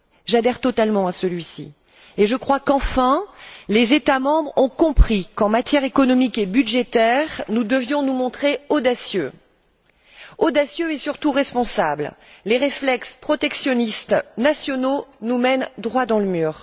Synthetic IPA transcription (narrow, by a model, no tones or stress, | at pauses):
ʒad̪ɛʁt̪ɔt̪almɑ̃asəlɥisḭ | eʒəkχwakɑ̃fɛ̃lezet̪amɑ̃bʁɔ̃kɔ̃pχikɑ̃mat̪jɛʁekɔnɔmikebyd̪ʒet̪ɛʁnud̪əvjɔ̃numɔ̃t̪χeɔd̪asjø | ɔd̪asjøɛsyʁt̪uʁɛspɔ̃sablleʁeflɛkspχɔt̪ɛksjɔnist̪nasjɔnonumɛnd̪ʁwad̪ɑ̃ləmyːʁ